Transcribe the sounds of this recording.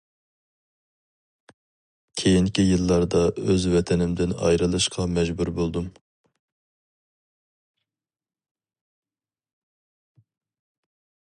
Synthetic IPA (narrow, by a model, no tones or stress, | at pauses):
kʲʰejiŋkʲijɨlˠːɑɾd̪ɑøzvɛt̪ʰɛnɪmd̪ɪnɑ̰jɾɨlˠɨʃqʰɑmɛd͡ʒbuɾbolˠd̪um